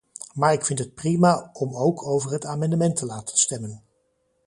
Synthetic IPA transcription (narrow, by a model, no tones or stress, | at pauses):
maːɹɪkfɪntɦət̚primaɔmowkʰowvəɹɦətaːmɑndəmɛntʰəlaːtə̥nstɛmən